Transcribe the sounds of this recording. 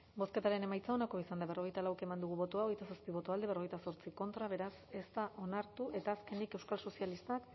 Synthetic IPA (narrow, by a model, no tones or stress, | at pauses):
bo̞ske̞t̪aɾe̞ne̞majt͡sao̞nako̞isand̪aβe̞ro̞ɣ̞e̞jt̪alawekemand̪uɣ̞uβo̞t̪oaoɣ̞ejt̪asaspiβ̞o̞t̪oald̪e̞e̞ro̞ejt̪aso̞ɾt͡siko̞nt̪ɾaβ̞e̞ɾase̞st̪aʔo̞naɾt̪uʔe̞t̪aːske̞nike̞wskalso̞sialist̪ak